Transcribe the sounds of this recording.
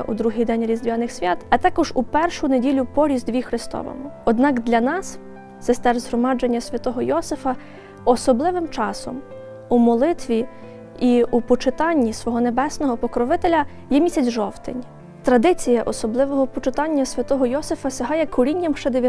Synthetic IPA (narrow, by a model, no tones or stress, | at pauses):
ʔṵd̪ɾuɦijd̪ɛnʲɾʲizd̪ʲʋʲjanɪxsʲʋʲat̪ɐt̪ɑkɔʒupɛrʃʊnedʲilʲʊpɔɾʲizd̪ʲʋʲixɾɪst̪ɔ̰ʋɔ̰mʊɔd̪nɑkd̪lʲɐnɑs | sest̪ɛrzɦɾɔmɑd͡ʒenʲːɐsʲʋʲɐt̪ɔɦɔjɔsɪfɐ | ɔsɔblˠɪʋɪmt͡ʃɑsɔ̰m | umɔlˠɪt̪ʋʲi | iupɔt͡ʃɪt̪ɑnʲːisʋɔɦɔnebɛsnɔɦɔpɔkɾɔʋɪt̪elʲɐ | jɛmʲisʲɐt͡sʲʒɔwt̪ɪ̰nʲ | t̪ɾɐd̪ɪt͡sʲijɐʔɔsɔblˠɪʋɔɦɔpɔt͡ʃet̪ɑnʲːɐsʲʋʲɐt̪ɔɦɔjɔsɪfɐsʲɐɦɑjɛkɔɾʲinʲːɐmʃt͡ʃɛd̪eʋʲj